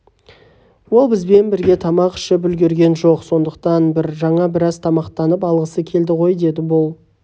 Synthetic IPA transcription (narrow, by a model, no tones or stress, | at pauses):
wo̞lˠbɪzbe̞nbɪɾɡʲe̞t̪ʰɑmɑqʃəbʏlɡʲe̞ɾɡʲe̞nʒo̞qso̞nd̪əq̚t̪ɑnbɪɾʒɑɴɑbɪɾɑzt̪ʰɑmɑqt̪ɑnəpɑlˠʁəsəkʲʰe̞ld̪ɪʁo̞jd̪e̞d̪ɪbolˠ